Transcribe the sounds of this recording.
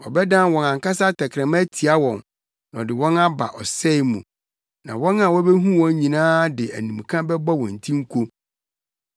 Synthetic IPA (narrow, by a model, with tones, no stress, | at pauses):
ɔ̰˨bɛ˦dã˦nwɔ̃˨nã˨ŋ˨ka˦sa˦tʰɛ˨kʰɾɛ̃˨ma˦tʰi˨a˦wɔ̃˨nː˨ | ɔ˨dɪ˨wɔ̃˦na˦ba̰˨ʔɔ˨sɛ˦˨˦mũ˨ | nã̰˨wɔ̃˦na˦˨wɔ̃˦bɛ˦ɦũ˦wɔ̃˦ɲĩ˨nãː˦dɪ˨æ̰˨nĩ˨m˨kʰã˦bɛ˦ba˦wɔ̃˨n̩˨tʰĩ˦ŋ̩˦kʰo˦